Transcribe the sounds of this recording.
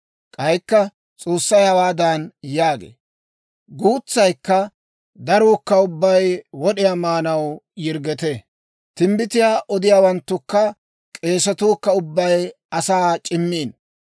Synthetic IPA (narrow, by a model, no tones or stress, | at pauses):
kʼɐjkːɐ | t͡sʼoːsːɐjhɐwaːd̪ɐnjaːɡḛː | ɡuːt͡sːɐjkːɐ | d̪ɐɾoːkːɐʊbːɐjwɔɗɪjaːmaːnɐwjɪɾɡɛt̪e | t̪ɪmbɪt̪ɪjaːʔɔd̪ɪjaːwɐnt̪ːʊkːɐ | kʼe̞ːsɐt̪uːkːɐʊbːɐj | ɐsaːt͡ʃʼɪmːiːn